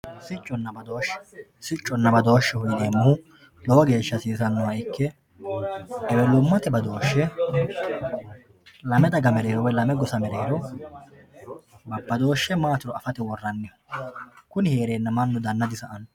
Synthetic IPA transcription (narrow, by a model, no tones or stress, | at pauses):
sɪt͡ʃʼːɔnːɐbɐd̪oːʃːɛ̥sɪt͡ʃʼːɔnːɐbɐd̪o̞ːʃːɛhʊjɪd̪e̞ːmːʊhʊ | lɔwɐɡe̞ːʃːɐsiːsɐnːʊwaɪkːɛ | ɛwɛlʊmːɐt̪ɛbɐd̪o̞ːʃːɛ | lɐmɛd̪ɐɡɐmɛɾeːɾɔwɔjlɐmɛɡɔsɐmɛɾeːɾɔ | bɐbːɐd̪o̞ːʃːɛmaːt̪ɪɾɔɐfɐt̪ɛwɔrːɐnːɪ | kʊnɪheːɾe̞ːnːɐmɐnːʊd̪ɐnːɐd̪ɪsɐʔɐn